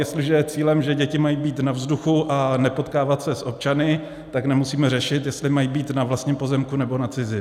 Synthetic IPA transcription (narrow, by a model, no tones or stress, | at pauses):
jɛst̪lɪʒɛjɛt͡siːlɛmʒɛɟɛcɪmajibiːt̪navzduxuʔanɛpo̞t̪kaːvat̪sɛsʔo̞p̚t͡ʃanɪ | t̪aknɛmusiːmɛrɛʃɪt̪jɛst̪lɪmajibiːt̪navlast̪ɲiːmpo̞zɛmkunɛbo̞nat͡sɪzɪ